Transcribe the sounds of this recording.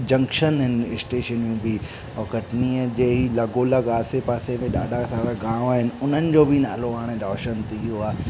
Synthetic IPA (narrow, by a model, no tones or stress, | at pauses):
d͡ʑɐ̃ŋkʃənɦɪnɪsʈeːʃənjũbʱi | ɔːkɐʈniːəd͡ʑeːɦilɐɡoːlaɡaːsepaːsemẽɗa̰ːɖʱasaːɾaɡãːaːɦɪnɪ̆ʊn̤ənɪ̆d͡ʑoːbʱina̰ːloaːɽ̃ẽd̪ɔːʃənt̪ijoaː